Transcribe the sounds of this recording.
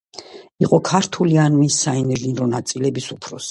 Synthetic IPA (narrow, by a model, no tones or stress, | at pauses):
iqʼɔkʰaɾt̪ʰulianmisːaɛnɛʒinɾɔnat̪sʼilɛbisupʰɾɔsi̥